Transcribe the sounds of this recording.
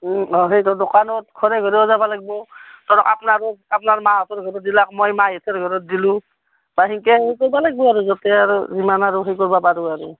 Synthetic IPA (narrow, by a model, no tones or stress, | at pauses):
ɔɦejtɔdɔkanɔtkʰɔɹɛɡʱɔɹibɔzabalaɡ̚bɔtɔɾɔka̰pnaɹɔapnaɹmaɔtʰɔɹɡʱɔɾɔt̚dilakmɔjmajɛtʰɔɹɡʱɔɹɔt̚dilũ | baɦiŋkɛɦejkɔɹbalaɡ̚bɔaɹuzɔtɛaɹuzimanaɹuɦejkɔɹbapaɹuaɹu